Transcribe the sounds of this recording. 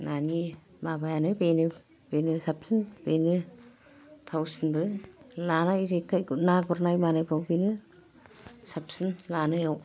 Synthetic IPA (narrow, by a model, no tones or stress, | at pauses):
nani | mabajanɯbenɯ | benɯsap̚sinbenɯ | t̪ʰawsinbɯlanaizekːajnaɡɔɾnajmanajpʰɾɔwpenɯ | sapsinlanɯjaw